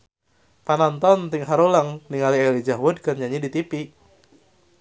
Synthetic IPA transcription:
panant̪ɔnt̪iŋɦaɾolaŋniŋalielid͡ʒaɦwʊd̚kərɲaɲidit̪ipi

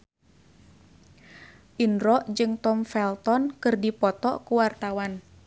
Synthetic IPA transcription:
ʔinɾɔʔd͡ʒɨŋt̪ɔmfɛlt̪ɔnkɨrdipɔt̪ɔkuwart̪awan

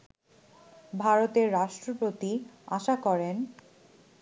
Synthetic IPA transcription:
bʱaɾot̪eɾːaʃʈɾopɾot̪ia̰ʃakɔɾen

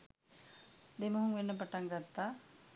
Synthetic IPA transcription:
d̪eməɦuŋʋenːəp̬aʈaŋɡat̪ːaː

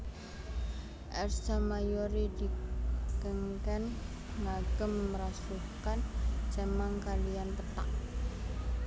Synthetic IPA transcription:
ʔɛrsamajoɾid̪ikəŋkɛn | ŋaɡ̥əmːəɾasuhkant͡ʃɛmaŋkalijanp̪ət̪a̰ʔ

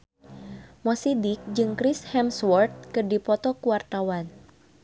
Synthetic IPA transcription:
mɔsidik̚d͡ʒɨŋkɾishɛmswɔrt̪̚kɨrdipɔt̪ɔkuwart̪awan

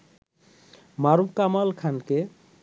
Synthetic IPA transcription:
maɾubkamalkʰanke

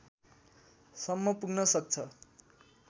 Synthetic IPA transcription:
sʌmːʌpuɡnʌsʌk̚t͡sʰʌ

